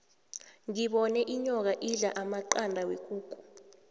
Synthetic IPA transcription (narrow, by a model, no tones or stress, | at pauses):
ŋiɓɔnɛʔiɲɔk̬aʔiɮaʔamaǃandʱawek̬ʼuːk̬ʼu̥